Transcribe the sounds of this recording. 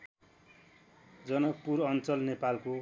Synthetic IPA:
d͡zʌnʌk̚puɾʌnt͡sʌlnepalko

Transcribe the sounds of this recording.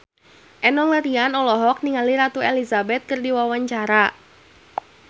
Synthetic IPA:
ʔɛnɔŋləɾianɔlɔɦɔk̚niŋaliɾat̪uɛlizabɛt̪̚kɨrdiwawaɲt͡ʃaɾa

